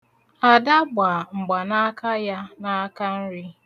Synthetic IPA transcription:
a˨da˦ɡ͡ba˨ŋ͡m̩˨ɡ͡ba˨na˦ka˦ja˦na˦ka˦n̩˦ɾi˦

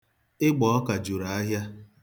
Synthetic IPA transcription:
ɪ˦ɡ͡bɔ˨ɔ˦ka˨d͡ʒu˨ɾa˨a˦ɦja˦

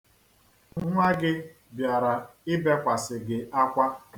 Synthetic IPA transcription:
ŋ̩˦ŋʷa˦ɡɪ˦ | bja˨ɾa˨ɪ˦be˦kʷa˨sɪ˨ɡɪ˨a˦kʷa˦

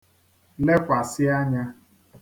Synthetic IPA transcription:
le˦kʷa˨sɪ˦a˦ɲa˦

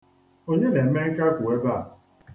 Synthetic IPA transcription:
o˦ɲe˦ne˨m̩˦me˦ŋ̩˦ka˦ku˨e˦ba˦˨

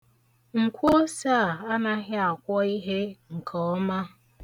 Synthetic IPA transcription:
ŋ̩˨kʷo˦sa˦˨a˦na˦ɣɪ˦a˨kʷɔ˦i˦ɦe˦ŋ̩˨kʰɔ˨˦ma˦

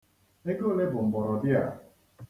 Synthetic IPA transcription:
e˦ɡo˦˨le˦bʊ˨m̩˨bɔ˨ɾɔ˨dɪ˦a̰˨

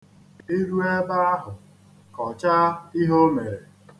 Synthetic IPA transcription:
i˦ɾu˦e˦ba˦a˦ɦʊ˨ | kɔ˨t͡ʃa˦i˦ɦo˦me˨ɾe˨

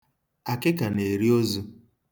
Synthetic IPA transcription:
a˨kɪ˦ka˨ne˨ɾi˦o˦zu˦

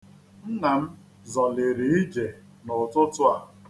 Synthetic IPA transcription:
n̩˦na˨m̩˦ | zɔ˨le˨ɾi˨i˦d͡ʒe˨ | nʊ˨tʊ˦tʊ˦a˨

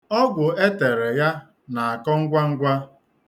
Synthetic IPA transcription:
ɔ˦ɡʷʊ˨e˦te˨ɾe˨ja˦ | na˨a˨kɔ˦ŋ̩˦ɡʷa˦ŋ̩˦ɡʷa˦

